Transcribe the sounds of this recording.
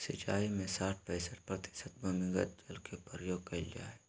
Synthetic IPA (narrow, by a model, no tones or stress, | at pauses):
sɪt͡ʃaːimẽsaːʈʰpɛːsəɾpɾɐt̪ɪ̥ʃət̪̚bomɪ̃ɡət̪̚d͡ʒɐlkʰepəɾəjoːɡ̚kɐid͡ʒa̰ːe